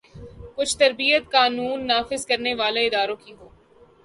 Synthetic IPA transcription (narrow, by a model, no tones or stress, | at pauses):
kʊt͡ʃʰt̪ɐɾbijət̪kaːnuːnːaːfɪzkɐɾneʋaːleɪd̪aːɾõkiɦoː